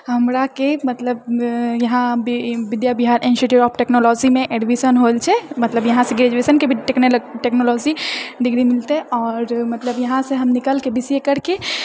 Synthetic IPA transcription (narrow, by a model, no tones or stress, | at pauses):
ɦəmɾakemət̪ləbjɐɦãbiʋid̪jabiɦaɾʔiniʃeʈiʋɔpʰʈeknolɔd͡ʒimẽʔeɖibisənɦolt͡ʃʰɛmət̪ləbjəɦãseɡɾed͡ʒesənkebʱiʈeknlʈeknolɔd͡ʒiɖiɡɾimilt̪eɔːɾmət̪ləbjɐɦãseɦəmnikəlkebisjekəɾke